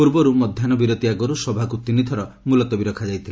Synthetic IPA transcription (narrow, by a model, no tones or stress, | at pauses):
puɾbɔɾumɔd̪ʱjanɔbiɾot̪iaɡɔɾusɔbʱakut̪init̪ʰɔɾɔ | mulɔt̪ɔbiɾɔkʰad͡ʒajt̪ʰile